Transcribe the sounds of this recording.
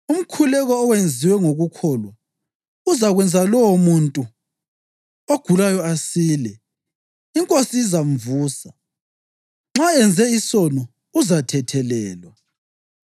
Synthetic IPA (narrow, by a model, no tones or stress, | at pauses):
um̩kʰulɛɣɔːwend͡zʱiwɛŋoɣukʰɔːlwa | uzaɣwɛnd͡zʱalɔwomuntʼu | oɡ̥ʱulajɔasiːlɛ | iŋkʼosiːzaɱvuːsa | ŋ͡ǁaɛnd͡zʱɛisɔnɔ | uzatʰɛtʰɛlɛːlwa